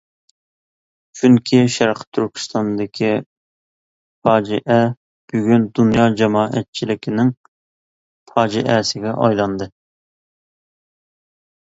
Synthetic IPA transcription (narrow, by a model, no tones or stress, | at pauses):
t͡ʃʰyŋkʲʰiʃæɾqt̪ʰyɾkʲʰi̥st̪ɑnd̪ɪkʲʰi | fɑːd͡ʒiʔɛ | b̥yɡʲynd̪unjɑd͡ʒɛmɑːʔɛt̪̚t͡ʃʰilɪkʲʰɪnɪŋ | fʰɑːd͡ʒiʔɛsɪɡʲɛʔɑ̰jlˠɑnd̪ɨ